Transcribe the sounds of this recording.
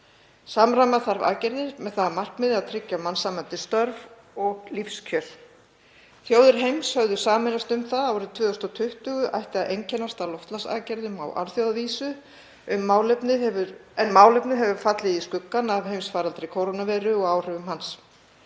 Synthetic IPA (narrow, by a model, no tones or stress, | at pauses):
saːmɾamaθaɾva̰ːcɛɾðɪɾmɛðθaðamar̥kmɪðɪaðt̪ʰɾɪcːamansaːmant̪ɪst̪œɾv | ɔɣlifscʰœl̥ | θjoːwðɪɾ̥ɦejmshœvðʏ̥saːmɪnast̪ʏmθaðawɾɪt̪ʰvʏːðʏst̪ɔt̪ʰʏht̪ʏɣʏʔa̰jht̪ɪaʔejɲcɛnːast̪alɔft̪lasa̰ːcɛɾðʏma̰wʔa̰ɾθjowðaviːsʏ | ʏmːaːwlɛpnɪðɛvʏɾɛnmaːwlɛpnɪðɦɛvʏɾfat̪lɪðiskʏkːanavɦejmsfaːɾalt̪ɾɪkʰowɾonavɛːɾʏɔɣaːwr̥ɛvʏmhans